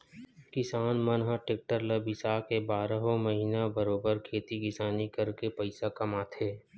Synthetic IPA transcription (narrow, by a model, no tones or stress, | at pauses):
kɪsaːnmənɦaʈeːk̚ʈəɾləbɪsaːkebaːɾəɦomɐɦiːnabəɾoːbəɾkʰeːt̪iɡɪsaːnikɐɾkepɐɪsakɐmaːt̪ʰeː